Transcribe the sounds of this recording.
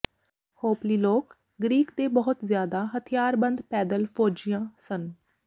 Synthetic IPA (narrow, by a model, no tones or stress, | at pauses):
hoːpliːloːk | ɡɾiːkd̪eːbəɦʊt̪zjaːd̪aːɦət̪ʰɪjaːɾbənd̪pɛːd̪əlpʰoːd͡ʒijãːsən